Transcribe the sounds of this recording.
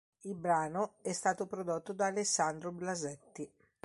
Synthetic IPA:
ilbɾaːnoɛst̪aːt̪opɾod̪ot̪ːod̪aːlesːand̪ɾoblazɛt̪ːi

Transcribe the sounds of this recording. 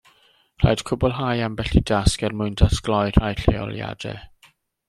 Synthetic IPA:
r̥a̰jd̥kʰʊbɔlˠɦajambɛɬidaskɛrmʊjndasɡlˠɔjrajɬḛɔ̰lˠja̰dɛ̰

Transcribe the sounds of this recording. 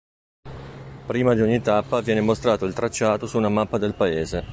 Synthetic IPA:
pɾiːmad̪ioɲːit̪apːavjɛːnemost̪ɾaːt̪oilt̪ɾat͡ʃːaːt̪osuːnamapːad̪elpaeːze

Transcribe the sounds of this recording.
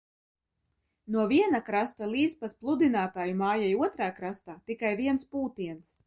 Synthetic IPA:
nuɔviɛnakɾast̪alˠiːd̪zpat̪̚plˠud̪inaːt̪aːjumaːjajuɔt̪ɾaːkɾast̪aːt̪ikajviɛnspuːt̪iɛns

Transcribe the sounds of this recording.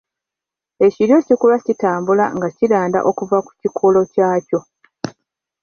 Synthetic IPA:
e̞ciɾjo̞ːcikulacitaːmbula̰ŋɡacilaːnda̰ʔo̞kuvaku̥cikʰolo̞caːco̞

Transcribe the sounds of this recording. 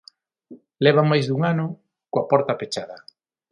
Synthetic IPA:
lɛβamajzðuŋanʊ | koapɔɾt̪apet͡ʃaðɐ

